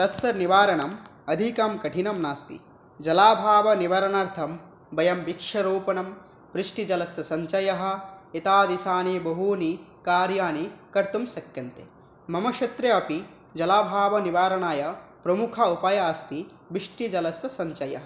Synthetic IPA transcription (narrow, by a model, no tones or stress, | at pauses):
t̪ɐsɐniʋaːɾɐɳɐm | ɐd̪ʱikɐmkɐʈʰinɐmnaːst̪ḭ | d͡ʒɐlaːbʱaːʋɐniʋɐɾɐɳaɾt̪ʰɐm | bɐjɐmʋikʂɐɾuːpɐnɐm | pɾiʂʈid͡ʒɐlɐsjɐsɐɲt͡ʃɐjɐɦɐ̆it̪aːd̪isaːnibɐɦuːnikaːɾjaːnikɐɾt̪umsɐkjɐnt̪ḛ | mɐmɐʃɐt̪ɾɐɐpi | d͡ʒɐlaːbʱaːʋɐniʋaːɾɐɳaːjɐpɾɐmukʰɐupɐjaːst̪i | biʂʈid͡ʒɐlɐsjɐsɐɲt͡ʃɐjɐ̰ɦɐ